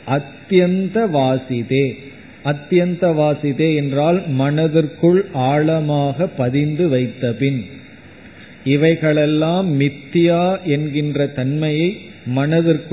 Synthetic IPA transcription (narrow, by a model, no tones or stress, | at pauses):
ʔɐt̪jɐnd̪ɐʋaːsɪðeː | ɐt̪ːjɐnd̪ɐʋaːsɪðeːɛndraːlmɐnɐðɯrkɯɭʔaːɭɐmaːɣɐpːɐðɪnd̪ɯʋɐɪt̪ːɐpɪn | ɪʋɐɪɣɐɭɛlːaːmːɪt̪ːɪjaːʔɛnɡɪndrɐt̪ɐnmɐjɐɪ | mɐnɐðɪrk